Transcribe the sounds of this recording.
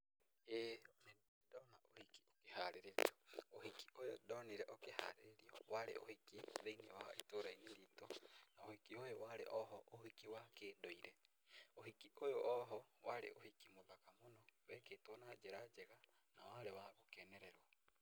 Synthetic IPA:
ene | dɔnaohiki̥okehaɾeɾeto̥ohiki̥ʔojo̰dɔniɾɛʔokeha̰ɾeeɾiɔwaɾḛʔo̰hikiðeinewaha̰etoːɾaineɾiːtonaohikiojowaɾḛʔɔɦɔʔohikiwakeːdoiɾɛ | ohikiʔojoʔɔɦɔwaɾḛʔohikimoðakamonɔwɛketonad͡ʒeɾad͡ʒeɣa | na̰waɾewaɣokɛnɛɾɛɾwa

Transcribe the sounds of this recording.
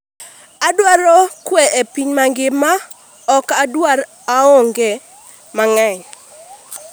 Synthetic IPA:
adwaɾɔkweʔepiɲmaŋɡɪma | ɔkadwaɾ | aɔŋɡe | maŋɛɲ

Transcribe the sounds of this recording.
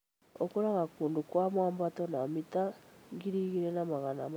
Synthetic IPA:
okuɾaɣakuːndukwamwaːmbatɔnamitaŋɡiɾiɣiɾenamaɣanam

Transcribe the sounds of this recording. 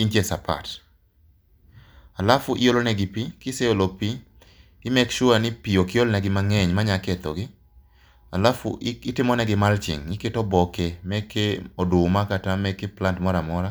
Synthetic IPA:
int͡ʃesapʰa̰t | alafʊʔɪjolonɛɡɪpikɪseolopi | ɪmɛkʃʊanɪpiokɪjolnɛɡɪmaŋɛɲmaɲaket̪ɔ̰ɡɪ | alafʊ̰ɪtɪmɔnɛɡɪmalt͡ʃɪ̰ŋɪketɔbɔkemɛkʰeɔdʊmakatamɛkeplantmɔɾamɔɾa

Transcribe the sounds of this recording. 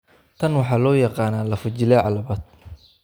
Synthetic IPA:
t̪ʰɐnwɑħɑːlɔːjɑqɑːnaːlɐfʊt͡ʃɪlɛʕɑlɐβɐːd̪̚

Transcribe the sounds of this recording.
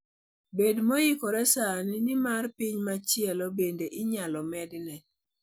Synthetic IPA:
bedmojikoɾɛsaninɪmarpiɲmat͡ʃɪɛlɔbendeʔɪɲalɔmɛdnɛ

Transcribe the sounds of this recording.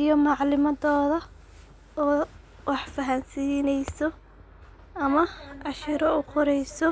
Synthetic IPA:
ijɔmɑʕlɪmɐdɔːðɐ | ɔː | wɑħfɐɦɐnsiːnɛjsɔ | ɐmɐʔɑʃɪɾɔʊqʰɔɾɛjsɔ

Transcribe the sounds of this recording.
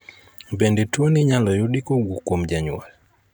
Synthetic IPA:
bɛndɛtuoniɲalɔjoɗikoɡukomd͡ʒaɲṵa̰l

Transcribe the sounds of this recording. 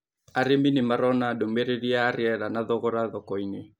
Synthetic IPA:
aɾeminemaɾɔnadomeɾeɾiaːɾɪɛɾanaðɔɣɔɾaðɔkɔine

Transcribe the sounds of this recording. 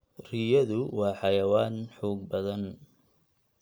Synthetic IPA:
rijɐðʊwɑːħɑjɐwaːnħuːɡ̚bɐðɐn

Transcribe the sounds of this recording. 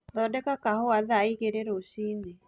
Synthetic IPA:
ðɔdɛkakahɔaðaikeɾeɾoʃinɛ

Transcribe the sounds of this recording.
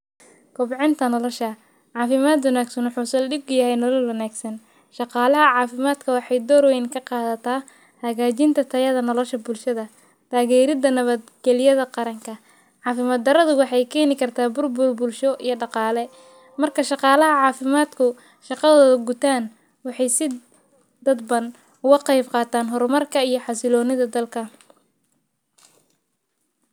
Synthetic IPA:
kʰʊbʕɪnt̪ʰɐnɔlɔʃɐ | ʕɑːfɪmaːd̪wɐnaːɡsɐnwʊħuːsɛlɖɪɡʊjɐɦɛjnɔlɔlwɐnaːɡsɐn | ʃɑqɑːlɐɦɐʕɑːfɪmaːd̪kʰɐwɑħɑjd̪ɔːɾwɛnkʰɐqɑːðɐt̪ʰaː | hɐɣaːt͡ʃɪnt̪ʰɐt̪ʰɐjɐðɐnɔlɔʃɐbʊlʃɐðɐ | t̪ʰaːɣɛːɾɪd̪ɐnɐβɐd̪ɡɛlɪjɐðɐqɑɾɐŋkʰɐ | ʕɑːfɪmɐːd̪ɐɾɐðʊwɑħɑjkʰɛːnɪkʰɐrt̪ʰaːbʊrbʊrbʊlʃɔʔijɞɖɑqɑːlɛ | mɐrkʰɐʃɑqɑːlɐɦɐʕɑːfɪmaːd̪kʰʊ | ʃɑqɑðɔːðɐɡʊt̪ʰaːn | wɑħɑjsɪ | d̪ɐd̪bɐn | ʊɣɐqɑjbqɑːt̪ʰaːnɦɔrmɐrkʰɐijɞħɑsɪlɔːnɪðɐd̪ɐlkʰɐ

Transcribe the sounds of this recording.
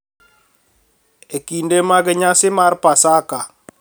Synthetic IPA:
ekindemaɡɪɲasɪmaɾpasaka

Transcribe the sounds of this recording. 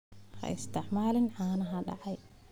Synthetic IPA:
hɐ̰ɪ̰st̪ɪħmaːlɪnʕaːnɐɦɐɖɑ̰ʕɑj

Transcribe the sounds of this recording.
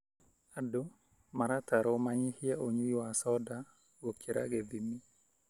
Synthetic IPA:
ado | maɾataɾomaɲɪhjɛoɲujʊasɔda | wokʰiɾʔa̰ɡebimi

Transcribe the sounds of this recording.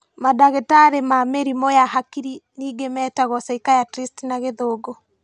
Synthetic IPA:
madaɣetaɾemameɾimojahakiɾiniːɡemɛːtaɣɔsaikajatɾistinaɣeðoːɡɔ

